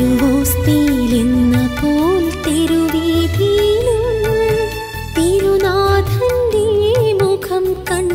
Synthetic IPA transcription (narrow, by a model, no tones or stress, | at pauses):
uɦoːst̪ilinːɐkoːlt̪iɾuʋid̪ʱiːlu | t̪iɾunaːd̪ʱɐnd̪imukʰɐmkɐn